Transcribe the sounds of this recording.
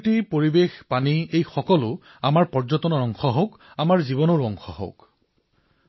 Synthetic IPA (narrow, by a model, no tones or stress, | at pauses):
tipoɹibexpaniejxɔkɔlʊ | amaɹpɔɹzɔtɔnɔɹɔŋxɔɦɔk | amaɹziβɔnɔɹɔŋxɔ̰ɦo̰k